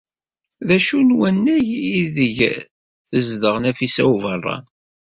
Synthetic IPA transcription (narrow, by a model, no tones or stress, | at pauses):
ðæʃunwænːæjiðəʝ | θəzðəʁnæfisæ̰uvərˤːɑ̰n